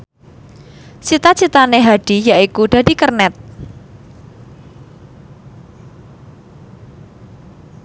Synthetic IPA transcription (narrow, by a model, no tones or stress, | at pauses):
sit̪ḁt͡ʃit̪aneɦaɖ̥i̤jaikuɖ̥a̤dikərnɛt̪̚